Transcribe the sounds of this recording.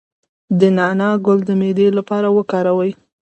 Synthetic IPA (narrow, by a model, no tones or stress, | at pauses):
d̪ənɑnɑɡʊld̪əmed̪elapɑɾawəkɑɾawəj